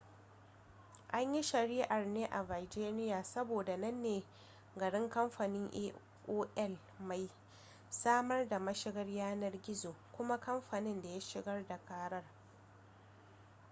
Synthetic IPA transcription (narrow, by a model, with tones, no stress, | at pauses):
ʔa˦ɲji˦ʃɐ˨ɾiː˦ʔa˨rneː˦ʔa˨va˨d͡ʒeː˦nɪ˦jaː˨sɐ˦boː˨da˨nɐ˦nːeː˨ | ɡɐ˨ɽɪ˦ŋkɐ˦mɸa˨nɪ˦ŋʔeː˦ | ʔoː˦ʔɛ˦l | ma˨j | saː˦mɐ˦rda˨mɐ˦ʃɪ˦ɡɐ˦rjaː˦nɐ˦rɡʲɪ˦zoː˨kʷʊ˦ma˦kɐ˦mɸa˨nɪ˦nda˨ja˦ʃɪ˨ɡɐ˦rda˨kaː˦ɾɐ˦r